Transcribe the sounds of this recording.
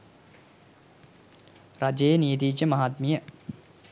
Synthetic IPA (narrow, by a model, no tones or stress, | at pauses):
ɾad͡ʒejenijet̪̬iːt͡ʃəmaɦaːt̪mijə